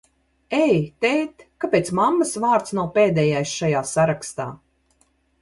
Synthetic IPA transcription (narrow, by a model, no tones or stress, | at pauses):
ɛjt̪ɛjt̪kapeːt̪smamːasvaːɾt̪snawpeːd̪ɛjajsʃajaːsaɾakst̪a̰ː